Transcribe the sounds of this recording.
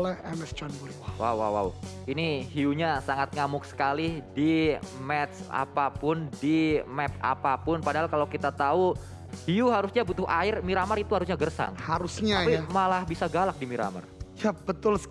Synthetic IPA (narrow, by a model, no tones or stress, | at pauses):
lɛhɛmɛsd͡ʒɔnbuɾiwa̰wwa̰wa̰w | iniɦiuɲasaŋat̪̚ŋamʊk̚sə̥kalɪdimɛt̪sa̰papʊndimɛp̚a̰papʊnpadaɦalkalakit̪at̪au | hiuɦaɾusɲabut̪ʊhʔaɪrmiɾamaɾit̪uhaɾusɲaɡərsa̰ŋhaɾusɲaapimalahbisaɡalak̚dimiɾa̰ma̰rjab̥ət̪ʊls